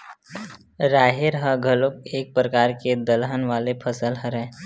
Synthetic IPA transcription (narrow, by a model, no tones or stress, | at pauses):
ɾaːɦeɾɦəɡʱəlok̚eːk̚pɾəkaːɾked̪əlɦənʋaːlepʰəsəlɦəɾɛ̃